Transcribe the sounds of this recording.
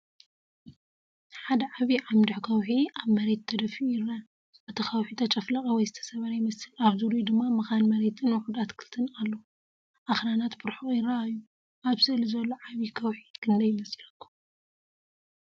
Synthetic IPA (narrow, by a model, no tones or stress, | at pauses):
ħad̪ɐʕaβiʕamd̪ɨʕkʰɐwħiaβmɐɾe̞t̪ʰːɐd̪ɐfiujɪrːa | ɐt̪ʰɐxɐwħit̪ʰɐt͡ʃʼɐflɐkʼɐwɔjzɨt̪ʰɐ̥sɐβɐɾɐjɪmɐsɨlaβzuɾud̪ɨmːamɨxanmɐɾe̞t̪ʰɨnwoħud̪at̪kʰɨlt̪ʰɨnalːo | ʔaxɾanat̪bɨɾħujɪrɐajːu | ʔaβzɨlzɐlːoʕaβikʰɐwħikʰɨnd̪ɐjɪmɐslɐkːu̥